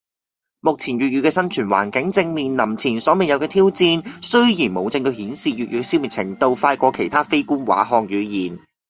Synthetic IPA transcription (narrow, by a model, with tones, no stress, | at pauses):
mʊ˨k̚t͡sʰiː˨˩njyː˨t̚jyː˨˧kɛː˧sɐ˥nt͡ʃʰyː˨˩nwa̰ː˨˩nkɪ˨˥ŋt͡sɪ˧ŋmiː˨nlɐ˨˩mt͡sʰiː˨˩nsɔː˨˥mɛ˨˩jɐ˨˧wkɛː˧t̪ʰiː˥wt͡siː˧nsɵ˥ɥjiː˨˩nmo˨˧wt͡sɪ˧ŋt̪ɵ˧ɥhiː˨˥nsiː˨ɥy˨jyː˨˧kɛ˧si˥wmiː˨t̚t͡sʰɪ˨˩ŋt̪o˧wfaː˧jkʷɔː˧kʰe˨˩jt̪ʰaː˥fe˥jkuː˥nwa̰ː˨˥ɦɔː˧k̚jyː˨˧jiː˨˩n